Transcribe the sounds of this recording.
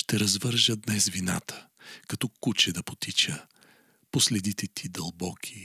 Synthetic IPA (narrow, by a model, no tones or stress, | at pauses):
ʃt̪ɛɾɐzvəɾʒəd̪nɛsvina̰t̪ʰə̥ | kɐt̪ɔkut͡ʃɛd̪ɐpo̥t̪it͡ʃə | poslɛd̪it̪ɛt̪ʰid̪ɐlˠbɔkʰi̥